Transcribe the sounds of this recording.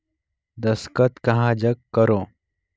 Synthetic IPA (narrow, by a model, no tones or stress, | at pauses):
d̪əskət̪kɐɦãd͡ʑəkkːəɾo